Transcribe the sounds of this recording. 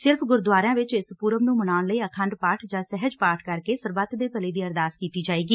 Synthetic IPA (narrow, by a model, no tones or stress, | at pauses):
sɪɾpʰɡʊɾd̪waːɾãːʋɪt͡ʃɪspuːɾəmnũːmənaːʊnləiːəkʰənɖpaːʈʰd͡ʒãːsɛɦəd͡ʒpaːʈʰkəɾkeːsəɾbət̪d̪eːpəleːd̪iːəɾd̪aːskiːt̪iːd͡ʒaːiːɡiː